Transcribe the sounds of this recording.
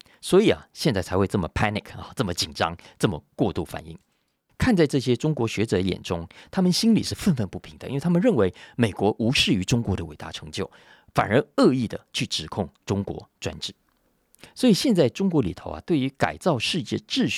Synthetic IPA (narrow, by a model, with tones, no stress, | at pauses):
swɔ˧˥i˨˩ɐ̰˨˩ɕjɛ˥˧nt͡sa˥˩ɪt͡sʰa˧˥xwe˥˧ɪt͡sɤ˥˩mə˩pʰa˥ni˨˩kʰɐ̰˧t͡sɤ˥˩mə˦t͡ɕi˨˩nʈ͡ʂɑ̰˥ŋt͡sɤ˥˩mə̰˩kwɔ˥˧t̪u˥˩fa̰˨˩nḭ˥˩ŋ | kʰa˥˧nt͡sa˥˧ɪʈ͡ʂɤ˥˩ɕ̬jɛ˥ʈ͡ʂʊ˥ŋkwɔ˧˥ɕɥɛ˧˥ʈ͡ʂɤ˨˧˥jɛ̰˨˩nʈ͡ʂʊ˥ŋt̪ʰa˥mə˨nɕi˥nlḭ˨˩ʂɻ̩˥˧fə˥˧nfə˥˧npu˥˩pʰi˧˥ŋd̪ə̰˩˧ḭ˥we˥˩˥mə˧nɻə˥˩nwe˧˥ɪme˨˩ɪkwɔ˧˥ʔu˧˥ʂɻ̩˥˩y˧˥ʈ͡ʂʊ˥ŋkwɔ˧˥d̪ə˧we˨˩ɪt̪a̰˥˩ʈ͡ʂʰɤ˧˥ŋt͡ɕjo˥˩ʊ | fa̰˨˩nə˞˧˥ɤ˥˧i˥˩d̪ə̰˩t͡ɕʰy˥˩ʈ͡ʂɻ̩˨˩kʰʊ˥˩ŋʈ͡ʂʊ˥ŋkwɔ̰˧˥ʈ͡ʂwa̰˥nʈ͡ʂɻ̩˥˩ | swɔ˧˥i˨˩ɕjɛ˥˧nt͡sa˥˩ɪʈ͡ʂʊ˥ŋkwɔ˧˥li˨˩t̪ʰo˧˥ʊɐ̰˨t̪we˥˩ɪy˧˥ka̰˨˩ɪt͡sɑ˥˧ʊʂɻ̩˥˧t͡ɕjɛ˥˧ʈ͡ʂɻ̩˥˧ɕ